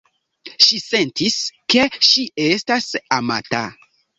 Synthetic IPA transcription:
ʃise̞ntiske̞ʃiʔestasama̰ta̰

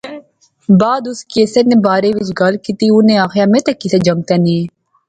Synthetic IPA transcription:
baːd̪ʊskeːseneːbaːɾeːʋɪt͡ʃɡɐlkit̪iʊnẽːaːxjaːmẽt̪ɐkːɪseːd͡ʒɐ̃ŋɡ̚t̪ɛːnĩe

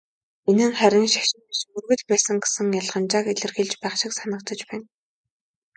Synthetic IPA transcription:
enɘ̆ŋχæɾʲɪ̆ŋʃḁʃɪ̆nsmɵrɣɘ̆ɮpæːsɘ̆ŋɡe̥sɘ̆ŋjaɮʁə̆nt͡ɕaːkeɮɘ̆rxeɮt͡ɕpæːχʃɪ̆ksanə̆kt͡sə̆t͡ɕpæːn

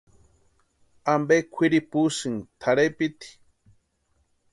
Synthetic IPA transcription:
ambekʷʰiɾipusɨŋt̪ʰaɾepit̪i̥

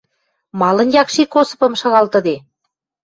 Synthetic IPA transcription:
mɑlə̆njɑkʃikosɤ̥̆pɤ̆mʃɑɣɑlt̪ə̆d̪e

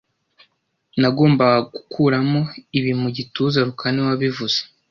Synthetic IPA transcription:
naɡo̞ːmbaɡukʰuːɾamo̞iβimuɟituzaɾukʰaniwaβivuz̥e

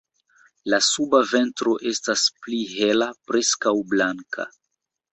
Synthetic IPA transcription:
lasubave̞ntɾo̞ʔe̞staspliɦelapɾe̞skawblaŋkʰa̰

